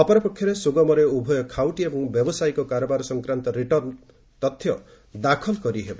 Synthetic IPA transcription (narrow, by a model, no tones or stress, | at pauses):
ɔpɔɾɔpɔkʰjɔɾesuɡɔmɔɾeubʱɔjɔkʰawʈiebɔŋbjɔbɔsajkɔkaɾɔbaɾɔsɔŋkɾant̪ɔɾiʈɔɾn | t̪ɔt̪ʰːjɔ | d̪akʰɔlkɔɾiɦebɔ